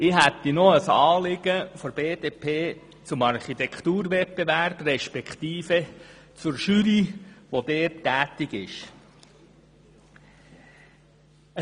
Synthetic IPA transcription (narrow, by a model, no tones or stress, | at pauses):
ɪɦæt̪ːinɔəsɑːlɪɡ̥əfɔɾb̥eːd̥̪epʰeː | t͡sʊmɑɾχit̪ɛkʰt̪uːɾʋɛt̚peʋæɾb̥rɛʃpɛkt̪iːfət͡sʊɾʃyɾiʋod̥̪ɛːtːæːtɪɡɪʃ